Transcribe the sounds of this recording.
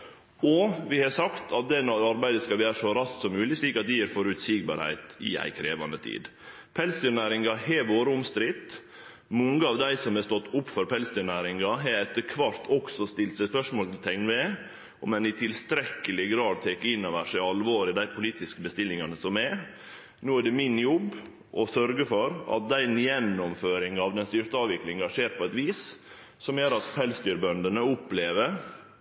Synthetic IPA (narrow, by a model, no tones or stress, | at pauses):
ɔʋɪhɑsɑkt̪ʰɑt̪̚d̪ɛnɔɾɑɾbæɪd̪əskɑʋæːɾʂɔɾɑssɔmːʉːlɪsliːkɑt̪̚d̪ɪæɾfɔɾʉt̪siɡ̚bɑ̰ːɾhæ̰ɪt̪ɪ̰æ̰ɪkʰɾeːʋɑ̰nət̪ʰḭːd̪ | pʰɛlsd̪yːɾnæːɾɪŋɑhɛʋoːɾəʊmst̪ɾɪt̪ː | mɔŋəɑʋd̪æɪsɔmɛst̪ɔt̪ːʊpːfɔɾpʰɛlsd̪yːɾɳnæːɾɪŋɡɑɦɛɾɛt̪ːəɾkʰʋɑɾt̪ʰɔksɔst̪ɪlt̪sɛspœʂmoːlt̪ʰɛŋnɛ | ɔmɛnɪt̪ʰɪlst̪ɾɛkːəlɪɡɾɑːd̪̚t̪ʰeːkːəɪnːɑʋæʂɛɪɑlʋoːɾɪd̪æɪpʰʊliːt̪ɪskəbəst̪ɪlːɪŋɑnəsɔmɛ | noːæɖɛmɪnjɔbː | ʔɔsœɾɡəfɔɾɑ̰t̪̚d̪æɪnjɛnːɔmføːɾɪŋɑʋd̪ɛnst̪ʏɾt̪əɑːʋɪklɪŋɑʂeːɾt̪̚pʰɔɛt̪ʋiːs | sɔmjøɾɑt̪pʰɛlst̪yːɾbœnd̪ənəʊpːleːʋəɾ